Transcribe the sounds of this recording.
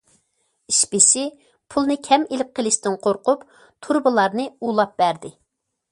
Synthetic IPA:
iʃpɪsɪ | pʰulˠnɨkʲʰɛmelɪp̚qʰəlˠɪʃt̪ɪnqʰoɾqʊp | t̪ʰuɾbɨlˠɑɾnɨulˠɑp̚b̥æɾd̪ɪ

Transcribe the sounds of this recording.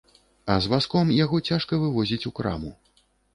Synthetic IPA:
ɐzvaskɔmjaɣɔt͡sʲaʂkɐvɨvɔzʲit͡sʲukɾa̰mu

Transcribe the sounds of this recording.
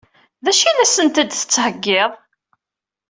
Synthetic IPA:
ðæʃiðæsənt̪æd̪θə̥t͡sːhəɡːeðˤ

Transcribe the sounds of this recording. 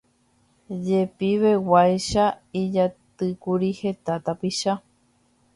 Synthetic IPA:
d͡ʒe̞piʋe̞wajʃaid͡ʒat̪ɨkuɾihe̞t̪at̪apiʃa

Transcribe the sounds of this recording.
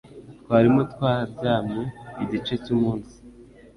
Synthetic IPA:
tkwaːɾimotwaːhabɟaːmeiɟit͡ʃe̞cumuːnsi̥

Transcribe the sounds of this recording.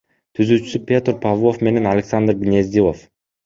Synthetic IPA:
t̪ʰyzyːt͡ʃy̥sypʲe̞t̪rpʰavˠo̞fme̞ne̞nalʲeksand̪rɡnʲezd̪ʲilˠof

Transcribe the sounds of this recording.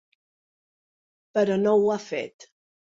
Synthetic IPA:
pəɾɔnowafḛt̪

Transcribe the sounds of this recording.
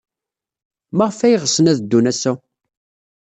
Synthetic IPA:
maʁəfæjəʁəsənæðd̪ːunæsæ

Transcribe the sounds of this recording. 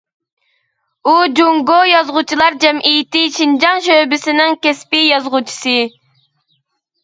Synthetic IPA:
ud͡ʒoŋɡojɑzʁʊt͡ʃʰilˠɑɾd͡ʒɛmʔijt̪ɪʃind͡ʒɑŋʃøbɪsɪnɪŋkʲɛspɪjɑzʁʊt͡ʃʰi̥sɨ

